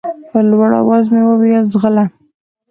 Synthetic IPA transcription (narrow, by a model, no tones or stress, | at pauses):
pəlwaɽa̰wazmewəwijazɣəla